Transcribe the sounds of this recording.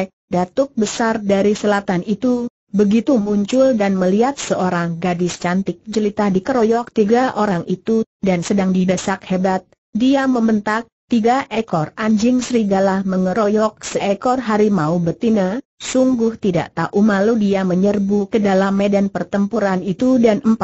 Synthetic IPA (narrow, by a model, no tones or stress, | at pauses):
k̚dat̪ʊk̚bəsardaɾisəlat̪anit̪u | bəɡit̪umuɲt͡ʃʊldanməliat̪̚səʔoɾaŋɡadɪst͡ʃant̪ɪk̚t͡ʃəlit̪adikəɾojɔk̚t̪iɡaʔoɾaŋʔit̪u | dansədaŋdidəsakhebat̪̚ | diaməmənt̪ak̚t̪iɡaʔɛkɔraɲd͡ʒɪŋsəɾiɡalahməŋəɾojɔk̚səʔɛkɔrɦaɾimaubərt̪inasuŋɡʊht̪ida̰ʔt̪aʔumaludiaməɲərbukədalamːedanpərt̪əmpuɾanit̪udanəmpa